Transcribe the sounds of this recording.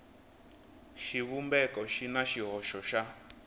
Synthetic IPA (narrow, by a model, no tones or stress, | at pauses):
ʃiβumbɛkɔʃinaʃiɦɔʃɔʃa